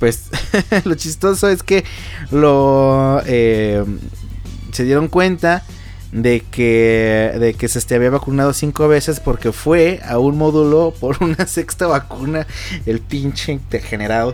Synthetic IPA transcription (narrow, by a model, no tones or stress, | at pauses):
pweslot͡ʃist̪o̞soe̞ske | lo | e | se̞ðje̞ɾo̞ŋkwe̞nt̪a | d̪ekeðekesest̪eaβiaβakunað̞osiŋkoβe̞se̞spo̞ɾke̞fwe̞a̰unmoðulopoɾunasekst̪aβakunaelp̪int͡ʃeit̪eɾxeneɾaðo